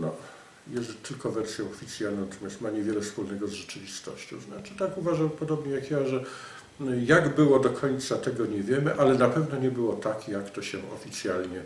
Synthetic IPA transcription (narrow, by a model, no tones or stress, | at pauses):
nɔ | jɛst̪ɘlkɔvɛɾsʲjɔ̃w̃ɔfʲit̪sʲjalnɔ̃wnat̪ɔmʲjast̪maɲɛvʲjɛlɛfspulnɛɡɔzʐɛt͡ʂɘvʲist̪ɔ̰ɕt͡ɕɔ̃w̃znat͡ʂɘt̪akuvaʐampɔd̪ɔbɲɛjakjaʐɛ | jaɡbɘwɔd̪ɔkʰɔɲt̪sat̪ɛɡɔɲɛvʲjɛmɘʔalɛnapɛvnɔɲɛbɘwɔt̪akjakt̪ɔɕɛɔ̰fʲit̪sʲjalɲɛ